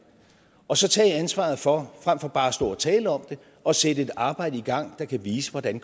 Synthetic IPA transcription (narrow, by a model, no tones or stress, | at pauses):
ɒ̽sɒ̽t͡sʰɛ̰ːænsʋɑ̈ð̞̩ˠfɒ̽fʁam̰fɒ̽b̥ɑ̈ːsd̥o̝ːɐt͡sʰɛːləɒ̽md̥e̝ | ʔɒ̽sedəe̝d̥ɑ̈ːb̥ɑ̈ɪ̰dəiɡ̥ɑ̈ŋ̰d̥ɑ̈kʰæʋiːsəʋɒd̥æn